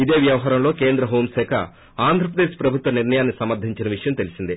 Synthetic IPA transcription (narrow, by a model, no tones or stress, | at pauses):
id̪e̞ːʋjɐʋɐɦaːɾɐmlo̞ːke̞ːnd̪ɾɐɦo̞ːmsɛːkʰa̰ | aːnd̪ʱɾɐp̬ɾɐd̪eːʃpɾɐbʱut̪ʋɐniɾnɐjaːnːisɐmɐɾd̪ʱiɲt͡ʃinɐʋiʂɐjɐmt̪e̞lisind̪i